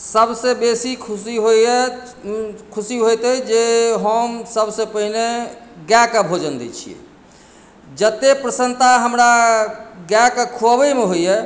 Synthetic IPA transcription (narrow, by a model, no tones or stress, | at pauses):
səbsẽbesikʰusiɦoe | kʰusiɦojt̪əd͡ʒeɦəmsəbʱsẽpəɦneɡɛkəbʱod͡ʒənd̪ɛ̰t͡ʃʰiḛ | d͡ʒət̪epɾəsənt̪aɦəmɾa | ɡɛkkʰubemeɦoje